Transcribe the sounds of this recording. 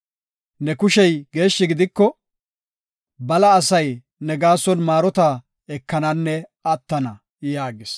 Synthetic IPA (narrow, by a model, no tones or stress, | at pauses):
nɛkʊʃɛjɡe̞ːʃːɪɡɪd̪ɪkːɔ | bɐlɐːsɐj | nɛɡaːsɔnmaːɾɔt̪a | ɛkːɐnɐnːɛɐt̪ːɐnɐ | jaːɡɪs